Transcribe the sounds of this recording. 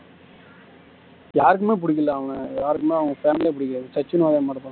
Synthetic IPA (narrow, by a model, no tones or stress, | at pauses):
jaːɾɯkːɯmeːp̬ʊɽɪk̬ːɪlːaːɐʋɐŋɐjaːɾɯkːɯmeːɐʋɐŋɐfeːmleːpʊɽɪkːɐsɐt͡ʃːɯnaːðẽːmaːʈɯt̪ːã